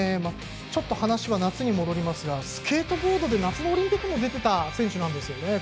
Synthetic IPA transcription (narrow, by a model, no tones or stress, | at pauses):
ema | t͡ɕo̞t̪ːo̞hanaɕiβanat͡sɨɲ̟imo̞d̪o̞ɾʲimasɨɡasɨ̥ke̞ːt̪o̞bo̞ːd̪o̞d̪e̞nat͡sɨno̞ːɾʲĩmpʲikːɯmo̞d̪e̞t̪e̞t̪asẽ̞ɰ̃ɕɨnãnd̪e̞sɨjo̞ne̞